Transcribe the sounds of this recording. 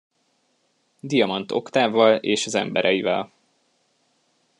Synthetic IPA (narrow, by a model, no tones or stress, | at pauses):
d̪ijɒmɒnt̪o̞̰kt̪aːvɒleːʃɒzɛ̰mbɛɾʔɛjivɛl